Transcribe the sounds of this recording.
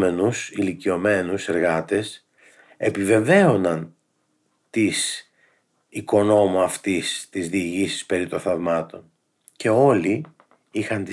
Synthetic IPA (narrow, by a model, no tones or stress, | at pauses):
me̞nusilicio̞me̞nuse̞ɾɣɐt̪e̞s | e̞pive̞ve̞o̞nɐn | t̪is | iko̞no̞muɐft̪ist̪izðiːʝisi̥spe̞ɾit̪o̞nθɐvmɐt̪o̞n | ce̞o̞li | ixɐnt̪i